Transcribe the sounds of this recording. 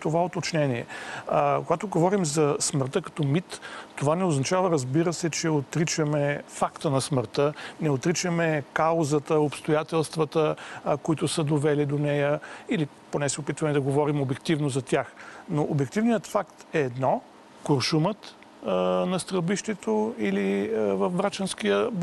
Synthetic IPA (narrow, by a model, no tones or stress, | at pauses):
t̪ovaot̪ot͡ʃnɛniɛ̰ | koɡat̪oɡovɔɾimzɐsməɾt̪əkɐ̥t̪ɔmit̪ːovanɛoznɐt͡ʃavəɾəzbiɾəsɛt͡ʃɛot̪ɾit͡ʃɐmɛfakt̪ənɐsməɾt̪ənɛot̪ɾit͡ʃəmɛkaozət̪əopst̪ojat̪ɛlˠst̪vət̪əkoit̪ʊsəd̪ovɛlid̪onɛjəiliponɛsɛopit̪vɐmɛd̪ɐɡovɔɾimobɛkt̪ivnozɐt̪ʲjaxnoʔobɛk̚t̪ivnijət̪fakt̪ɛːd̪nɔ | koɾʃumət̪ | nɐst̪ɾəlˠbiʃt̪ɛt̪oilivɐfbɾat͡ʃənskijəb